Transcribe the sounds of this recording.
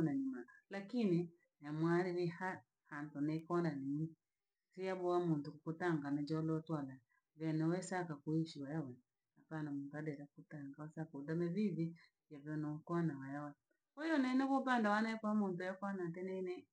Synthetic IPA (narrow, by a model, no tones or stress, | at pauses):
naɲimalakini | jamwaɾiβiha | hantɔnekɔndanini | sijaβɔwamuntukukotaŋɡanad͡ʒɔlɔtwala | βɛnɛwɛsakakuiʃiwajawɛ | apanamuːntuadɛɾakutaŋɡawasakodamɛβiði | jaβɔnɔkanawajawa | ɔjɔnɛnɛβɔpandawanɛkwamontjakanatɛnɛnɛ